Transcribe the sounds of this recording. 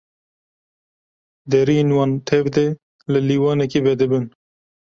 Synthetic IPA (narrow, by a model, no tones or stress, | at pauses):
d̪ɛɾienwɑːnt̪ʰɛvd̪e | lɨliːwɑːnɛkevɛd̪ɨbɨn